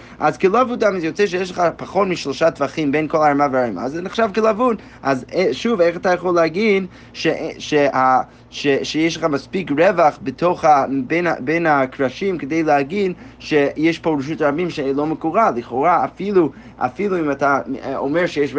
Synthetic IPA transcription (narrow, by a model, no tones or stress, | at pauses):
ʔazkəlaavudamizjot͡sɛʃ̬ejɛʃləχapaχotmiʃloʃatvaχimbejnkolˠaɹmavəaɹma̰zɛnɪχʃavkəlavud | ʔazʃuveχatajaχolˠeaɡin | ʃeʔʃeha | ʃeʃejɛʃ̬lˠəχamaspikɹɛvaχbətʰoχabenabenakɹaʃimkədejleaɡinʃejɛʃpoɹuʃ̬utɾabimʃeloməkuʁaliχoʁaːfilu | ʔa̰filuimatʰaomeɹʃɛjɛʃ